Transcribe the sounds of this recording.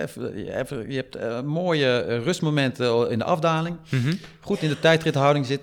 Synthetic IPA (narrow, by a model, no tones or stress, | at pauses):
fɛ̰fəjəɛp̚tmoːjərøstmomɛntəɪndə̰ʔɑfdaːlɪŋχutɪndətɛjtrɪtəɦawdɪŋsɪt